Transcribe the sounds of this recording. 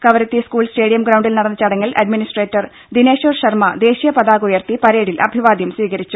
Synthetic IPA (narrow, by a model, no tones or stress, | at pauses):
kɐʋɐɾɐt̪ːiskuːɭsʈe̞ːɽijɐmɡɾɐwɳɖilnɐɽɐnːɐt͡ɕɐɽɐŋːɐlʔɐ̰ɖminisʈreːtːɐr | d̪ineːɕoːrɕɐrmɐd̪e̞ːɕijɐpɐd̪aːɣujɐrt̪ipɐɾeːɽilʔɐ̰bʱiʋaːd̪jɐmsʋiːɣɐɾit͡ɕːu